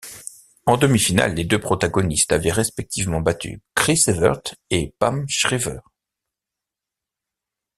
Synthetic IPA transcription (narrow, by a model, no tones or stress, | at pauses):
ɑ̃d̪əmifina̰lːed̪øpχɔt̪aɡɔnist̪avɛʁɛspɛk̚t̪ʰivmɑ̃bat̪ʰy̰kχisevœ̰ʁt̪epamʃχivœ̰ːʁ